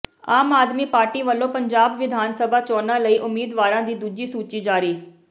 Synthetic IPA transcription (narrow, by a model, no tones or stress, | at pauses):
aːmaːd̪miːpaːɾʈiːʋəlːõːpəɲd͡ʒaːbʋɪd̪ʱaːnsəbaːt͡ʃɔːnãːləiːʔʊmːiːd̪ʋaːɾãːd̪iːd̪uːd͡ʒiːsuːt͡ʃiːd͡ʒaːɾiː